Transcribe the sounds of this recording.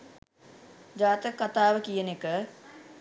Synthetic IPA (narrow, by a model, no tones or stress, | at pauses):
d͡ʒaːt̪əkːat̪aːʋəkijənekə